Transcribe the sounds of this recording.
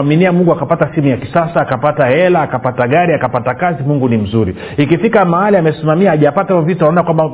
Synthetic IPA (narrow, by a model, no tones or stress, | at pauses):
aminiamuŋɡuakapatasimujakisasaːkapatahɛlaːkapataɠaɾiakapatakazimuŋɡunim̩zuɾi | ikifikamahaliamɛsimamiaːʄapataaɔvituanaɔnakwamba